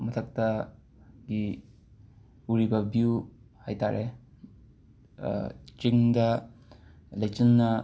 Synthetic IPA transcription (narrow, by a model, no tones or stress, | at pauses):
mɐtʰɐk̚tɐ | ɡi | uɾibɐbjuhajtaɾʔe | t͡ʃiŋdɐ | lɐjt͡ʃɐnːɐ